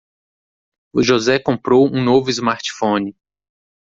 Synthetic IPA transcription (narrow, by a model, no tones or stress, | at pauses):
ʊʒozɛkõpɾowũnovʊizmaɾt͡ʃi̥fõnɪ